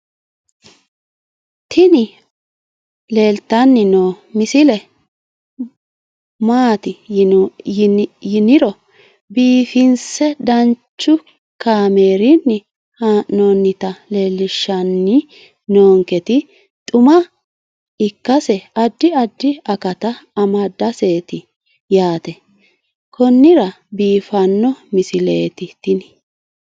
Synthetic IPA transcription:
t̪ʰɪnɪ | le̞ːlt̪ːɐnːɪno | mɪsɪlɛ | maːt̪ɪ | jɪnɪɾɔ | biːfɪnsɛd̪ɐnt͡ʃːʊ | kaːmeːɾɪnːɪ | haːʔnonːɪt̪ɐle̞ːlːɪʃːɐnːɪ | noːŋkɛt̪ɪ | t̪ʼʊmɐ | ɪkːɐsɛɐd̪ːɪɐd̪ːɪɐkɐt̪ɐɐmɐd̪ɐse̞ːt̪ɪ | jaːt̪ɛ | kʰɔnːɪɾɐ | biːfɐnːɔmɪsɪleːt̪ɪt̪ːɪnɪ

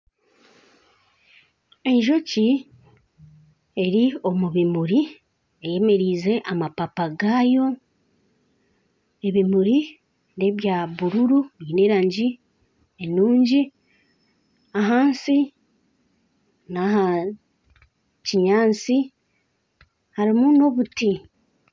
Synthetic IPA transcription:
e̞ɲʒo̞ci | e̞ɾio̞muβimuɾi | eje̞me̞ɾiːze̞ʔamapapaɡaːjo̞ | e̞βimuɾi | ne̞βjaːβuɾuɾuineːɾaːɲɟi | enuːɲɟi | aɦaːnsi | naɦa | ciɲaːnsi | haɾimuno̞βuti

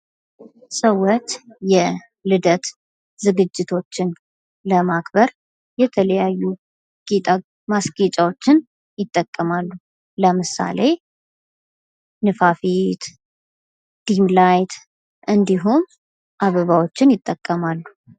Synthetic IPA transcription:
sʼəwɔt͡ʃ̪jɛ | lɨd̪ət̪ | zɨɡɨd͡ʒːɪt̪ʰo̞t͡ʃːɪn | ləmakbəɾ | jɛt̪ʰələjajːu | ɡ̥et̪ʼa | masɡet͡ʃʼawo̞t͡ʃːɪn | jɪt̪ʼːəkʼːəmalːu | ləmɨsa̰le̞ | nɨfafit̪ | d̪̥imlajt̪ | ʔɨnd̪iɦum | ʔaβəβawo̞t͡ʃːɪnjɪt̪ʼːəkʼːəmalːu

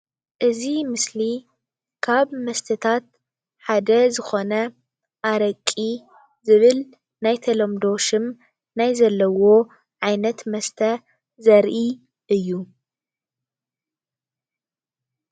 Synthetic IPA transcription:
ʔɨzimɨsli | kʰaβmɐst̪ʰɐt̪ʰat̪̚ | ħad̪ɐzɨxo̞nɐ | ʔaɾɐkʼːi | zɨβɨl | najt̪ʰɐlomd̪o̞ʃɨm | najzɐlːɐwo̞ | ʕajnɐt̪mɐst̪ʰɐ | zɐɾʔi | ʔɨjːu

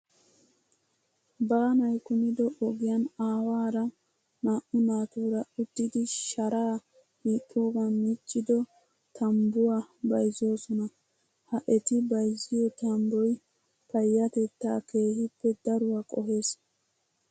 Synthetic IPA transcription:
baːnɐjkʊnɪd̪ɔʔɔɡɪjɐnaːwaːɾɐ | naːʔʊnaːt̪uːɾɐʊd̪ːɪd̪ɪʃɐɾaː | miːkʼːuːɡɐnmɪt͡ʃʼːɪd̪ɔ | t̪ʰɐmbʊwabɐjzo̞ːsɔnɐ | hɐʔɛt̪ɪbɐjzɪjɔt̪ɐmbɔj | pɐjːɐt̪ɛt̪ːa̰ːke̞ːhɪpːɛd̪ɐɾʊwakʼɔhe̞ːs

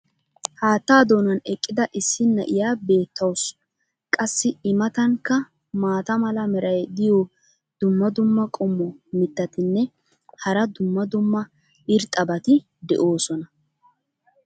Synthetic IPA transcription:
haːt̪ːaːd̪o̞ːnɐnɛkʼːɪd̪ɐʔɪsːɪnːɐʔɪjaːbe̞ːt̪ːɐws | kʼɐsːɪɪmɐt̪ɐŋkːɐ | maːt̪ɐmɐlɐmɛɾɐjd̪ɪjɔ | d̪̥ʊmːɐd̪ʊmːɐkʼɔmːɔmɪt̪ːɐt̪ɪnːɛ | hɐɾɐd̪ʊmːɐd̪ʊmːɐ | ɪɾt̪ʼɐbɐt̪ɪ | d̪ɛ̰ʔo̞ːsɔnɐ

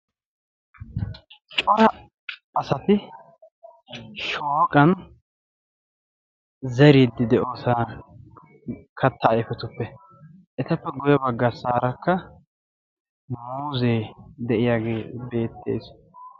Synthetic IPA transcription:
t͡ʃʼɔɾɐ | ɐsɐt̪ɪ | ʃoːkʼɐn | zɛɾid̪ːɪd̪ɛʔoːsaː | kʰɐt̪ːɐːjfɛt̪ʊpːɛ | ʔɛt̪ɐpːɛɡʊjɛbɐɡːɐsaːɾɐkːɐ | muːzeːd̪ɛʔɪjaɡeːbe̞ːt̪ːe̞̰ːs

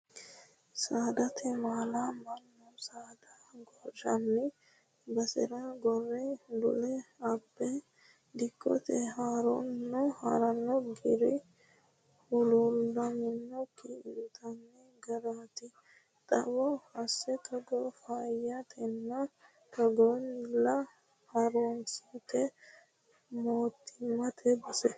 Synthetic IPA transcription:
saːd̪ɐt̪ʰɛmaːlamɐnːɔsaːd̪a | ɡɔɾd͡ʒɐnːɪ | bɐsɛɾaɡɔrːɛd̪ʊ̰lɛɐbːɛ | d̪ɪkːɔ̰t̪ɛhaːɾɔnːɔha̰ɾɐnːɔɡɪɾɪ | hʊlulːɐmɪnːɔkːiɪdʊt̪ʰɐnːɛ | ɡɐɾaːt̪ɪ | t̪ʼɐ̰bɔhɐsːɛkʰɐɡɔfajɐt̪ʰɛnːɐ | kɐɡɔnːɪlːɐ | hɐɾonsɐt̪ɛ | moːt̪ːɪmɐt̪ʰɛbɐsɛ

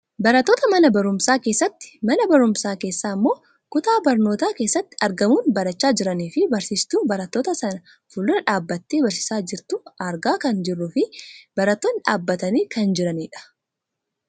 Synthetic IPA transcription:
bɐɾɐt̪ːo̞ːt̪ɐmɐnɐbɐɾʊmsaːke̞ːsːɐt̪ːɪ̥mɐnɐbɐɾʊmsaːke̞ːsːaːmːo̞ː | kʊt̪aːbɐɾno̞ːt̪aːke̞ːsːɐt̪ːɪ̥ɐɾɡɐmuːnbɐɾɐt͡ʃːaːd͡ʒɪɾɐniːfɪbɐɾsiːst̪uːbɐɾɐt̪ːo̞ːt̪ɐsɐnɐ | fʊlːʊnɐᶑaːbːɐt̪ːeːbɐɾsɪ̥saːd͡ʒɪɾt̪ʊɐɾɡaːkɐnd͡ʒɪrːʊfɪb̥ɐɾɐt̪ːoːnᶑaːbːɐt̪ɐniːkɐnd͡ʒɪɾɐniːᶑɐ̥

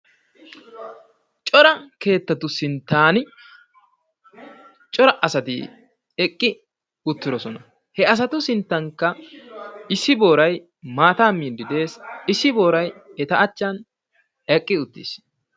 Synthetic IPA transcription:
t͡ʃʼɔɾɐke̞ːt̪ːɐt̪ːʊsɪnt̪ːaːnɪ | t͡ʃʼɔɾɐʔɐsɐt̪ɪ̰ | ɛkʼːɪ | ʊt̪ːɪɾɔsɔnɐ | hɛɐs̬ɐt̪ʊsɪnt̪ːɐŋkːɐ | ɪsːɪbo̞ːɾɐj | maːt̪aːmiːnd̪ɪd̪e̞ːsɪsːɪbo̞ːɾɐjɛt̪ɐɐt͡ʃːɐn | ɛkʼːɪʊt̪ːḭs

